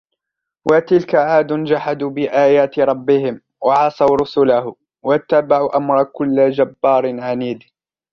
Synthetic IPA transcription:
wʔat̪ɪlkaʕaːd̪ʊnd͡ʒaħad̪uːbɪʔaːjaːt̪ɪɾˤɑbːɪhɪm | wɑʕɑsˤɑwɾˤʊsʊlahʊ | wat̪ːabaʕuːʔamɾˤkʊlːad͡ʒabːɑːɾˤnʕaniːd̪

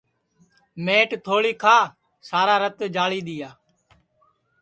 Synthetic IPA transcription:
meːʈt̪ʰoːɭiːkʰaː | saːɾaːɾət̪d͡ʒaːɭiːɗ̪ɪjaː

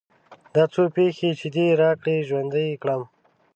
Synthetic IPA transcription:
d̪ɑt͡sopexet͡ʃed̪iɾɑːkɽeʒwand̪əjkɽam

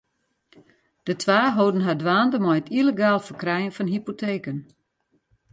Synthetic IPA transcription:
d̥ətʰʋaːɦoːdən̩ɦadʋaːndəmɔjtileɡaːlˠfərkrɛjənfɔnɦipotʰeːkən

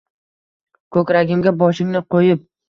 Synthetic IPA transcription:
kʰɵkʲɾaɡʲɪmɡʲabɒʃɪŋnɪqʰojɪp̚

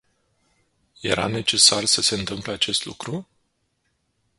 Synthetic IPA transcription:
je̞̰ɾa̰ne̞t͡ʃe̞sarsəse̞ɨnt̪ɨmpleat͡ʃe̞st̪lṵkɾu

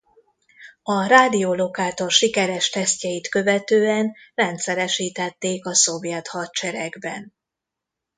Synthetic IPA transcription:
ɒɾaːd̪ijolo̞kaːt̪o̞rʃikɛɾɛʃt̪ɛscɛjit̪kø̞vɛt̪øːɛnrɛnt̪sɛɾɛʃiːt̪ɛt̪ːeːkɒso̞vjɛt̪hɒt̪t͡ʃɛɾɛɡbɛn

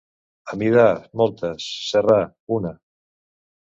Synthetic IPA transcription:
amiðamɔlˠt̪əsːera | una

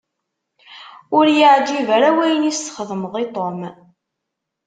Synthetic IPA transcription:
ʊɾjəʕd͡ʒivæɾæwæjənisθχəðˤmðˤet̪ˤom

